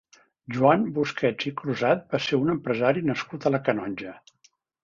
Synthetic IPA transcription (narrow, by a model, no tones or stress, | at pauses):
ʒuanbuskʰɛd͡zikɾuzat̪̚baseunəmpɾəzaɾinəskut̪ələkənɔnʲʒə